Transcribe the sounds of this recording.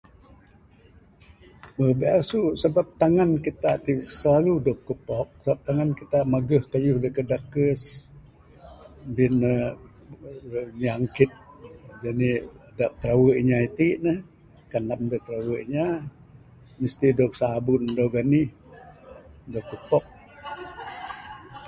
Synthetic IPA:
əbeasuʔsəbap̚t̪aŋankit̪aʔt̪iʔsəlaludɔʔ̚kəpɔk̚səbap̚t̪aŋankit̪aʔmaɡəhkajʊhdəkədakəs | binə | ɲaŋkɪt̪̚d͡ʒanidaʔ̚t̪ɾawəʔɲait̪iʔnəh | kanlamdaʔt̪ɾawəʔɲa | məst̪idɔk̚saːbʊndowɡanih | dɔʔkəpɔk̚

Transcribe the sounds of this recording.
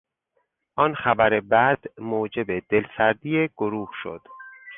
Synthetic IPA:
ʔɒnxæbæɾe̞bæd̪̥moːd͡ʒe̞bed̪e̞lsæɾd̪iːjeɡ̥oɾuːhʃo̰d̪̥

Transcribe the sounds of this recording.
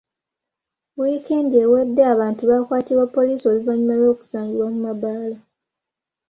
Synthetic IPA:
wikeːndiewedːeaβaːntuβaːkwaːtiɾwapːo̞liːso̞luvaɲumalo̞ːku̥saːŋɡiɾwamumabaːla

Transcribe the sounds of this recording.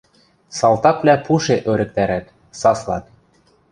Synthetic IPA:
sɑlˠt̪ɑklʲæpuʃeʔøɾɘ̆k̚t̪æɾæt̪ | sɑslˠɑ̰t̪̚

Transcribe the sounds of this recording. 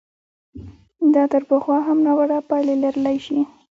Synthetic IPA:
d̪ɑt̪əɾpəxwɑɦamnawaɽapɑlelaɾəlajʃi

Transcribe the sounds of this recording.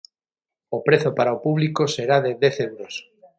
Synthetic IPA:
opɾeθopaɾaopuβlikoseɾaðeðeθewɾos

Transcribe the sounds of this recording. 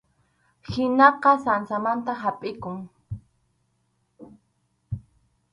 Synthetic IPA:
hɪnɑqɑsansamant̪aɦapʼɪkʊŋ

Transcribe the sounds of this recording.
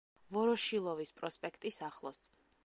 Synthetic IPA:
vɔɾɔʃilˠɔvispʼɾɔspʼɛkʰt̪ʼisaχlˠɔst̪

